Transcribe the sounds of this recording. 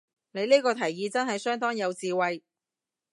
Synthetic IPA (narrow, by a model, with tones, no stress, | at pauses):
ne˨˧jniː˥kɔː˧t̪ʰɐ˨˩jːiː˨˧t͡sɐ˥nɦɐ˨jsœː˥ŋt̪ɔː˥ŋjɐ˨˧wt͡siː˨wɐ˨˧j